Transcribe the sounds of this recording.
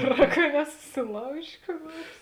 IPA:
ˈɡʲæːˌrɑː kɐ nʲɛsʊsʲɪˈlˠɐʊʒʲeː kuː ˈnuɔrs

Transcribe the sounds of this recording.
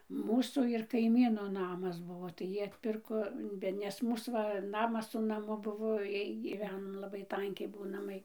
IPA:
ˈmuːsuː ɪr kɐɪˈmʲiːnoː ˈnɑːmɐs ˈbʊʋoː ˈtɐɪ ˈjiː ɐtʲˈpʲɪrkoː ˈbʲɛ nʲɛs ˈmuːs ʋɐ ˈnɑːmɐs sʊ nɐˈmʊ ˈbʊʋoː ˈjiɛj ɡʲiːˈʋʲæːnoː lˠɐˈbɐɪ ˈtɐŋʲkʲɛɪ ˈbuɔ nɐˈmɐɪ

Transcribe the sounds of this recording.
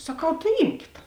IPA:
sɐˈkɐʊ tɐɪ ˈiːmʲkʲɪt

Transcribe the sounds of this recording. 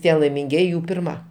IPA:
ˈtʲiɛ lˠɐɪmʲɪŋʲˈɡʲiɛjɪ ˈjuː pʲɪrˈmɐ

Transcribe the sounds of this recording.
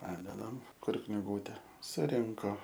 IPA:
ˈpɑːdʲɛdɐm ˈkʊr knʲɪˈɡuːtʲɛ sʊˈrʲɪŋkoː

